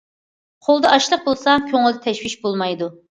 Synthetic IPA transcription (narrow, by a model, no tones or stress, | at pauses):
qʰolˠd̪ɑʔɑʃlˠəq̚bolˠsɑkʲʰøŋɪlˠd̪ɪt̪ʰɛʃwiʃbolˠmɑjd̪u